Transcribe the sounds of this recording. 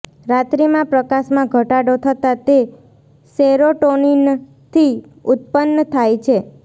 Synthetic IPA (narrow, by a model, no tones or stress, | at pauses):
ɾat̪ɾimãpɾəkaʃmãɡʱəʈaɽot̪ʰət̪at̪e | seɾoʈonin | t̪ʰi | ʊt̪̚pənːət̪ʰajt͡ʃʰe